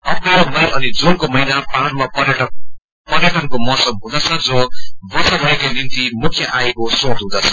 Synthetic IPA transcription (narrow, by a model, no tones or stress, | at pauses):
ʌpʌʌmʌjʔʌnid͡zunkomʌɦinapanmapʌrjʈʌk | pʌrjaʈʌnkomʌsʌmɦũd̪ʌt͡sʰʌd͡zʌbʌsʌbʱʌekanint̪imukʰjʌʔaekosõt̪ɦũd̪ʌt͡sʰʌ̥